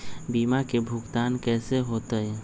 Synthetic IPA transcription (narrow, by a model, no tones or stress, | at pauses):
biːmakebʱʊɡt̪aːnkɛːseɦoːt̪eɦɛ